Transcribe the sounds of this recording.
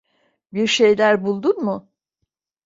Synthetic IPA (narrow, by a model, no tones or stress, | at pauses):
biɾʃe̞jlʲæɾbulˠd̪unmʊ